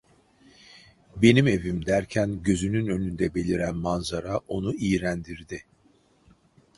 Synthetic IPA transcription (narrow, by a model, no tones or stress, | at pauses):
be̞nime̞vimd̪æɾcʰænɟø̞zynynø̞nynd̪ɛbe̞lʲiɾænmanzaɾao̞nuijɾænd̪iɾd̪ɪ